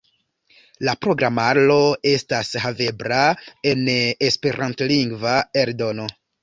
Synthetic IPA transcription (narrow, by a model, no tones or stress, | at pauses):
lapɾo̞ɡɾamalo̞e̞stashave̞bɾae̞nespe̞ɾʔantliŋɡvaeɾdo̞no̞